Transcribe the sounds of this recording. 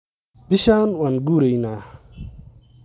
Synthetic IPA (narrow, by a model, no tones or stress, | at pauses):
d̪iɕaːnwanɡuːɾejna